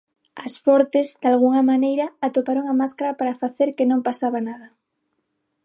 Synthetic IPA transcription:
ɐsfɔɾt̪ezd̪alɣuŋɐmanejɾɐːt̪opaɾoŋamaskaɾapaɾafaθeɾkenõmpasaβanað̞ɐ

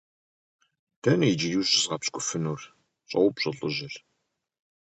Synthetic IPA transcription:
tʰɐnjid͡ʒiriːɕʼɪzʁɐpskʷʼʊfɨnuːr | ɕʼɐwpɕʼɐɮʼʊ̰ʑɪr

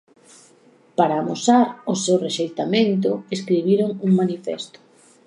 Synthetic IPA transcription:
paɾaːmosaɾʊsewreʃejt̪amẽnt̪̬ʊeskɾiβ̞iɾoŋuŋmanifɛ̰st̪ʊ̥

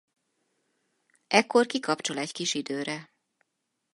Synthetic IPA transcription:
ʔɛkːo̞rkikɒpt͡ʃo̞lɛckiʃid̪øːɾɛ

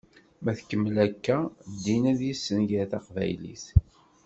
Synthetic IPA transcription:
mæθkːəmːəlækːæd̪ːinæðjisːənʝəθɑqvæ̰jlḭθ

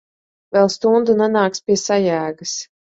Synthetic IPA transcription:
vɛlˠst̪und̪unanaːkspʲiɛsajæːɡas

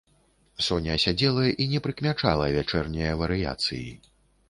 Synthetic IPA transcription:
sɔnʲɐsʲad͡zʲɛlˠɐʔinʲɛpɾɨkmʲat͡ʂa̰lˠɐvʲat͡ʂɛrnʲɛjɐvɐɾɨja̰t̪sɨ̰jḭ

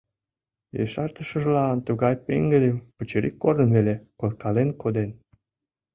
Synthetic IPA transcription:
jḛʃɑrt̪əʃə̆ʒlɑnt̪uɣɑjpḛŋɡəd̪empət͡ɕeɾḭkːornəmvelekolkɑlenkod̪en

